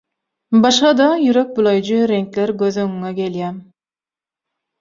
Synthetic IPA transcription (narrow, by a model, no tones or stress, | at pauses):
bɑʃχɑd̪ɑjyɾøk̚bulˠɑjd͡ʒɯɾeŋkleɾɡøzøŋyŋekʲeljæm